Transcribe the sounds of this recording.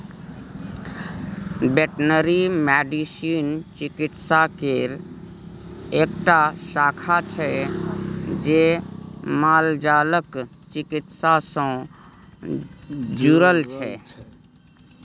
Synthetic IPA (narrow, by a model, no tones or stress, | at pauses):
beʈnəɾimɛɖisint͡ʃɪkɪt̪sakeɾ | eːkʈaʃaːkʰat͡ʃʰɛ | d͡ʒe | maːld͡ʒaːlək | t͡ʃɪkɪt̪sasɔ̃ | d͡ʒuɾəlt͡ʃʰɛ